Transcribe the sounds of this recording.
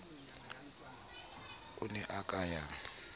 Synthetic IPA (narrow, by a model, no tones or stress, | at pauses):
unɛʔakʼajaŋ